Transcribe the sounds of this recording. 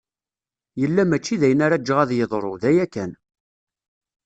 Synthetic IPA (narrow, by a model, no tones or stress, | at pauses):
jəlːæmæt͡ʃːiðæjənaɾad͡ʒːəʁæðjəðˤɾˤoðæjækːæn